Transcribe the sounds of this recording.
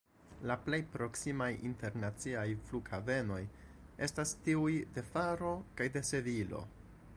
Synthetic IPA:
laple̞jpɾo̞ksimajḭnte̞ɾnat͡siajfluɡhave̞no̞j | e̞stastiujde̞faɾo̞kajde̞se̞vilo̞̰

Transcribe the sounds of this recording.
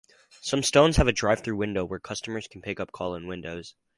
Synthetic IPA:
sʌ̃mstõʊ̃nz̥əvɨdɹaɪv̥θɹʉwɪ̃ndoʊwə˞kʰʌstəmə˞z̥kʰn̩pʰɪkʌp̚kʰɔlˠə̃nwɪ̃ndoʊz̥

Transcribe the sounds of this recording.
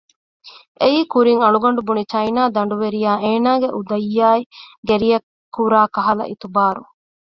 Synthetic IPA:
eiːkuɾiŋɐɭuɡɐɳɖubunit͡ʃɐjnaːd̪ɐɳɖuʋeɾijaːeːnaːɡeʔud̪ɐjːaːiɡeɾijɐkːuɾaːkɐɦɐlɐ̰ʔit̪ubaːɾṵ

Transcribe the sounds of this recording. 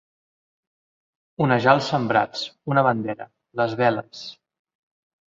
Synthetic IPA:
unəʒalˠsəmbɾa̰t͡sunəβənd̪ɛɾə̰ | ləzβɛləs

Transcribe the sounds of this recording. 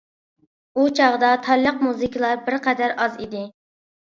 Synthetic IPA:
ut͡ʃʰɑʁd̪ɑt̪ʰɑɾlˠəqmuzɨkʰʲilˠɑɾbɪɾqʰɛd̪æɾɑzḭd̪ɪ

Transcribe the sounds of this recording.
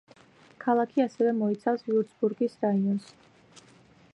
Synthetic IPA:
kʰalˠakʰiasɛvɛmɔit̪sʰafsiuɾsbuɾɡisɾaiɔns

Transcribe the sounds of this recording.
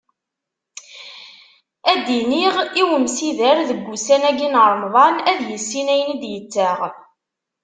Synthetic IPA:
æd̪iniʁiwəmsiðəɾðəɡʷːusænæɡinɾˤmðˤɑnæðjəsːinæjənd̪jət͡sːəʁ

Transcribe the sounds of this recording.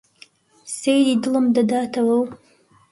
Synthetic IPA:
sejdidɨləmd̪ɐd̪aːtʰɐwɐw

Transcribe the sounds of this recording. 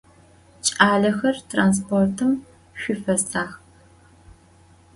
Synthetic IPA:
t͡ʃʼaːɮɐxɐrtʰraːns̬pʰoːrtʰɨm | ɕʷʊfɐstʼaːx

